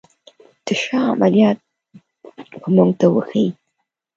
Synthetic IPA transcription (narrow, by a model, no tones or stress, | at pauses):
d̪̥əʃɑa̰malijɑt̪̚ | pəmuŋɡt̪awə̰xə